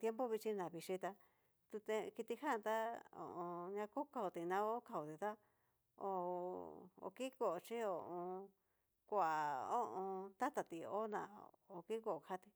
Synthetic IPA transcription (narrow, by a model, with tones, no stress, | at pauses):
t̪je˦mbo˦βi˧t͡ʃi˧nã˨βi˧ʂi˧t̪a˧ | t̪u˧t̪e˧ki˧t̪i˧hã˦˧t̪a˦o̰˨ʔõ˧ɲã˧ko˦ka˧u˧t̪i˧nã˧o˦ka˧u˨t̪i˧t̪a˦ | o̰˧ | o̰˧ki˦ko˧˨o˧t͡ʃi˦o˧ʔõ˧ | kʷa˨o˦ʔõ˧t̪a˦t̪a˨t̪i˧o̰˦nã̰˧˨o˧ki˦ko˧ʔo˨kʰa˧˦t̪i˧